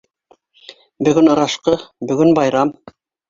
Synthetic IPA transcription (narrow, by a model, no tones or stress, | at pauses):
bɵ̆ɡɵnɤ̆ɾɑʃqɤbɵ̆ɡɵnbɑjɾɑm